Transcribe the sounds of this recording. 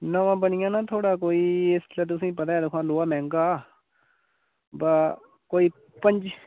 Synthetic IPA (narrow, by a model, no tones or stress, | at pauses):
nəʋãːbənɪjãːnaːt̪ʰoːɽaːkoːiːɪslɛːt̪̬ʊsĩːpət̪aːeːd̪əkʰãːloːaːmɛ̃ːŋɡaː | baː | koːiː | pə̃ɲd͡ʒ